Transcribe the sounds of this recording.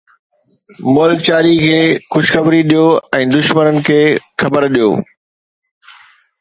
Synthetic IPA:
mʊlk̚t͡ɕaːɾikʰeːxʊʃxɐbɾiɗijoɛ̃ːd̪ʊʃmənənɪ̆kʰeːxɐbəɾɗijo̰ː

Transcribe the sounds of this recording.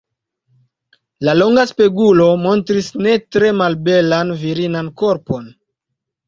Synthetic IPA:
lalo̞ŋɡaspeɡulo̞mo̞ntɾisne̞tɾe̞malbe̞lanviɾinanko̞ɾpo̞n

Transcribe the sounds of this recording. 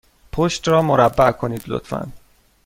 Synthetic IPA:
pʰoʃt̪ɾɒːmoɾæbːæʔkʰo̞niːd̪lo̰t̪fæ̰n

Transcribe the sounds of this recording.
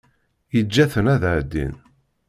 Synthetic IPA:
jəd͡ʒːæθənæðʕd̪ːḭn

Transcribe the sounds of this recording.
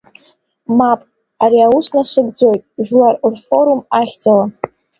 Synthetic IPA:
mapʼ | aɾiausnaʂɨɡd͡zo̞jtʼʒᶣlarurfo̞ɾumaχʲd͡zala

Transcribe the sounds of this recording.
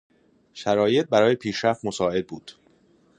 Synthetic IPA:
ʃæɾɒːje̞t̪̚bæɾɒːje̞pʰiːʃɾæft̪mo̞sɒːe̞d̪̚buːd̪̥

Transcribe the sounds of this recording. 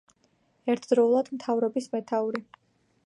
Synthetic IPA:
ɛɾt̪ʰd̪ɾɔulˠad̪̥mt̪ʰavɾɔbismɛt̪ʰauɾi

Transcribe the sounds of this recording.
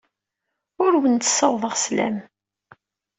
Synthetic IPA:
ʊɾwənt̪ə̥səwðˤəʁslæ̰m

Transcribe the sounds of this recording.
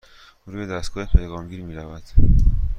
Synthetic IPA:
ɾuːbed̪æst̪ɡ̥ɒːhepʰejɣɒːmɟiːɾmiːɾævæd̪̥

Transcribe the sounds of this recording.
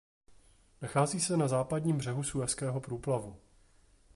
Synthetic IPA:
naxaːziːsɛnazaːpadɲiːmbr̝ɛɦusuɛfskɛːɦo̞pɾuːplavu

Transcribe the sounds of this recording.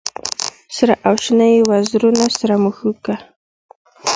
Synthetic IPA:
sɾaʔawʃnajwazɾʊnasɾamʊxʊka

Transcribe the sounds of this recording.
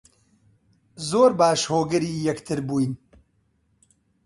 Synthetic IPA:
zoːɾbaːʃhoːɡɐɾiːjɐkt̪ʰɨɾbuːjn

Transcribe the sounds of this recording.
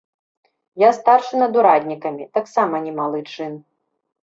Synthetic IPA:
jast̪arʂɨnɐd̪uɾad̪ʲnʲikɐmʲit̪aksamɐnʲɛmalˠɨt͡ʂɨn

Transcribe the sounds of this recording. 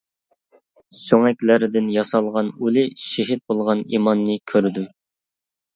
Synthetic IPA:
søŋɛkʲlæɾɪd̪ɪnjɑsɑlˠʁɑnulɪʃeɦɪt̪̚bolˠʁɑnḭmɑnːɨkʲʰøɾd̪y

